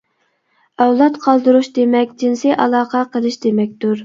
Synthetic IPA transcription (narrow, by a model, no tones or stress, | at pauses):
ɑwlˠɑt̪qʰɑlˠd̪ɨɾuʃd̪emɛk̚ʲd͡ʒinsijʔɑlˠɑːqʰɑqʰəlˠɨʃd̪emɛk̚ʲt̪uɾ